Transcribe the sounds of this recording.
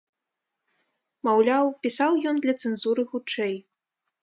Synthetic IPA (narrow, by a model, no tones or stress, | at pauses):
mawlʲawpʲisawjɔnd̪lʲɐt̪sɛnzuɾɨxut͡ʂɛj